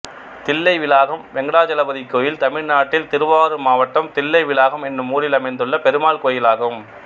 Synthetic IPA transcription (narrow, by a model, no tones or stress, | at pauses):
t̪ɪlːɐɪʋɪlaːɣɐmʋɛŋɡɐɽaːd͡ʒɐlɐbɐðɪkːoːjɪlt̪ɐmɪɻnaːʈːɪlt̪ɪɾɯʋaːɾɯmaːʋɐʈːɐmt̪ɪlːɐɪʋɪlaːɣɐmɛnːɯmuːɾɪlɐmɐɪnd̪ɯɭːɐpɛɾɯmaːɭkoːjɪlaːɣɯm